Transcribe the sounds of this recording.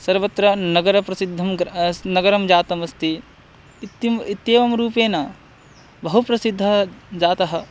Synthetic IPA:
sɐɾʋɐt̪ɾɐnɐɡɐɾɐpɾɐsid̪ʱːɐmɡnɐɡɐɾɐmd͡ʒaːt̪ɐmɐst̪i | t̪ːmit̪jeːʋɐmɾuːpeːnɐ | bɐɦupɾɐsid̪ʱːɐɦd͡ʒaːt̪ɐɦɐ̆

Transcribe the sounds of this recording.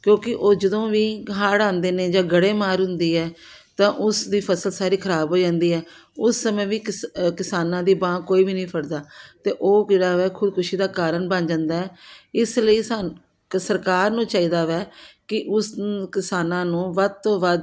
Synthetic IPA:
kjõːkɪʔoːd͡ʒəd̪õːʋiːɦaːɽãːnd̪eːnẽːd͡ʒãːɡəɽeːmaːɾɦʊ̃nd̪iːɛː | t̪ãːʔʊsd̪iːpʰəsəlsaːɾiːkʰəɾaːbɦoːd͡ʒãːnd̪iːɛː | ʊsːəmẽːʋiːkkɪsaːnãːd̪iːbãːkkoːiːbiːnĩːpʰəɽd̪aːt̪eːʔoːɡeːɽaːʋɛːkʰʊd̪kʰʊʃiːd̪aːkaːɾəɳbə̃nd͡ʒãːnd̪aːɛːɪsləiːsaː | səɾkaːɾnũːt͡ʃaːiːd̪aːʋɛːkɪʔʊskɪsaːnãːnũːʋəd̪̚t̪õːʋəd̪

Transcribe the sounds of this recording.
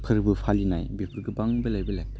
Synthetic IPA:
kʰɯɾbɯpʰalinajbepʰuɾɡɯbaŋbɯlajbɐlak̚t̪a

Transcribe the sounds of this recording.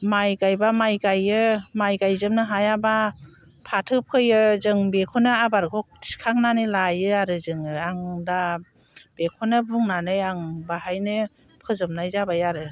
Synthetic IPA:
majɡajbamajɡajɯmajɡajzɯmnɯɦajaba | pʰatʰɯpʰɯjɯzɯŋbekʰɔnɯabaɾɡʰɔ | i̥skʰaŋnanɯlajɯaɾɯzɯŋɯaŋda | b̥ekʰɔnɯbuŋnanɯjaŋbahajnɯ | pʰɯzɯmnajzabajaɾɯ

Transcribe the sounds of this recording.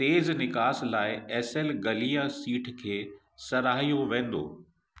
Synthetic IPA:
t̪eːznɪkaːslaːɪɛːsɛlɡɐlijasiːʈʰkʰeː | sɐɾaːɦijoʋẽːn̆d̪o̰ː

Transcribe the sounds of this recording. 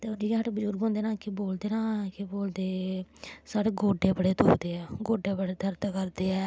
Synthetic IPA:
t̪eːodiːkːɦəʈbəd͡ʒuːɾɡɦõːnd̪eːnaːkɪboːld̪eːnãːkɪboːld̪eː | saːɽeːɡoːɖeːbəɽeːt̪oːd̪eːɛːɡoːɖeːbəɽeːd̪əɾt̪kəɾd̪eːɛː

